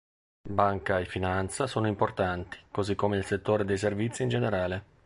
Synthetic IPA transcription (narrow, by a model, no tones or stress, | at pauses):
baŋkaefːinant̪sasoːnoimport̪ant̪i̥kozikːomeilset̪ːoːɾed̪ejs̬ervit̪sːind͡ʒeneɾaːle